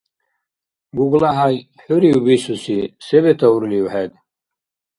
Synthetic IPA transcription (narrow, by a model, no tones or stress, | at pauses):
ɡuɡlaɦaj | ħuɾiubisusisɛbɛt̪ʰauɾliwħɛd̪